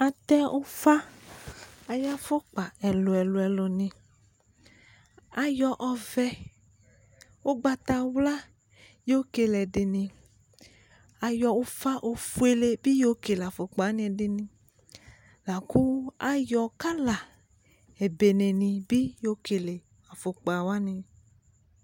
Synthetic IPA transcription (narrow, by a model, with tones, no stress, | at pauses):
a˨t̪ɛ˦ʔo˦fa˦ | a˨ja˦fo˦k͡pa˨ɛ˨lo˨ɛ˨lo˨ɛ˨lo˨nĩ˨ | a˨jɔ˨ʔɔ˨vɛ˦ | wo˦ɡ͡ba˨t̪a˨wla˦ | jo˦o˦ke˨lɛ˨ɖe˨nĩ˧ | a˨jɔ˧wo˦fa˦ʔo˧fu˦e˨le˧bi˦jo˦ke˨la˨fo˨k͡pa˨˦nĩ˦ɛ˨dɪ˨nĩ˧ | la˨ku˦a˦jɔ˧ka˦la˨ | ɛ˨be˨nẽ˨nĩ˧bi˦jo˦ke˨le˨ | a˨fo˨k͡pa˨wa˦nĩ˧